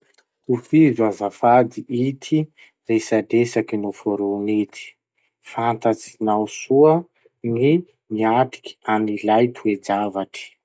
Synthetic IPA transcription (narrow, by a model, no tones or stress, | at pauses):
ufizazafad̪iʔit̪ʰi | resadesakinofoɾunet̪ʰi̥ | fant̪at͡sinawsuə | ni | miaʈ͡ʂi̥kʲi̥anilajt̪ʰued͡zavaʈ͡ʂi̥